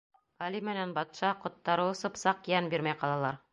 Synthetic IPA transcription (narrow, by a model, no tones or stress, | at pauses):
ɑlimɘ̆nænbɑt̪ʃɑqŏt̪ːɑɾɤwɤ̆sɤ̆psɑqjænbiɾmæjqɑlˠɑlˠɑɾ